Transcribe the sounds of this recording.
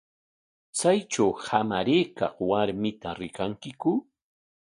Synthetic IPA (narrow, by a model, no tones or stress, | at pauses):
t͡sajt͡ʃawhamaɾeːkɑ̰χwaɾmɪt̪aɾɪkaŋkɪkʊ